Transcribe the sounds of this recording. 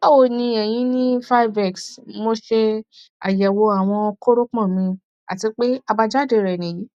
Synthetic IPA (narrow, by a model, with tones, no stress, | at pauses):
ɔ˦o˨nĩ˧ɛ˨j̃ĩ˧˦nĩ˦fa˦i˦vɛ˦˨ksmo˧ʃe˧a̰˨jɛ˨wo˧a˨w̃ɔ̃˧ko˦ɾo˦k͡pɔ̃˦˨mĩ˧ | a̰˨ti˧k͡pe˦a˧ba˧d͡ʒa˦de˧˨ɾɛ˨nĩ˨ji˨˦